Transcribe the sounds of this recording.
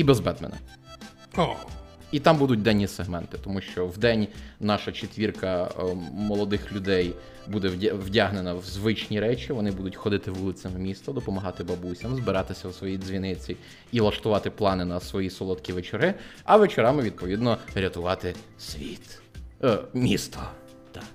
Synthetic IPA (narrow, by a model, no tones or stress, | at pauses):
ibezbɛd̪mḛnɐ̰ | ɔit̪ɑmbud̪ʊt̚ʲd̪ɛnʲːiseɦmɛnt̪ɪ̥t̪ɔmuʃt͡ʃɔwd̪ɛnʲnɑʃɐt͡ʃet̪ʲʋʲirkɐ | mɔlˠɔd̪ɪxlʲʊd̪ɛj | bud̪ɛwdʲaɦnenɐwzʋɪt͡ʃnʲiɾɛt͡ʃʲiʋɔnɪbud̪ʊtʲxɔd̪ɪt̪ɪʋulˠɪsʲɐmmʲist̪ɐd̪ɔpɔmɐɦɑt̪ɪbɐbusʲɐmzbɪɾɑt̪ɪsʲɐwsʋɔjidzʲʋʲinɪt͡sʲi | ilˠɐʃt̪ʊʋɑt̪ɪplˠɑnɪnɐsʋɔjisɔlˠɔt̪kʲiʋet͡ʃeɾɪ | ɐʋet͡ʃɛɾɑmɪʋʲid̪̚pɔʋʲid̪nɔɾʲɐt̪ʊʋɑt̪ɪ | sʲʋʲḭt̪ | mʲist̪ɔ | d̪̥ɑ